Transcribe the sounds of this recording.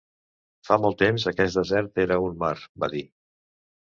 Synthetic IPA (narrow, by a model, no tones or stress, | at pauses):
famɔlˠt̪emzəkɛsd̪əzɛɾt̪eɾəunmaɾbaði